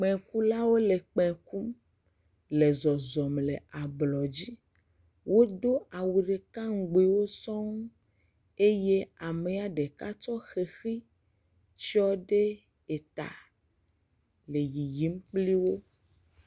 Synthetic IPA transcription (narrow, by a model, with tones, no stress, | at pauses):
k͡pɛ̃˨ku˦la˦wo˦le˨k͡pɛ̃˨ku˦m | le˨zɔ˨zɔ˨mle˨a˨blɔ˨d͡ʑi˦ | wʔo˦d̪o˦a˨wu˨ɖe˨ka˦ŋ̩˦˨ɡ͡be˨wo˦sɔ̃˦ŋ˦ | e˦je˦a˨me˨a˨ɖe˨ka˦t͡ʃɔ˦xe˨xi˦ | t͡ʃi˦ɔ˦ɖe˦ | e˨t̪a̰˨ | le˨ji˨ji˦m˦k͡pli˦wo˦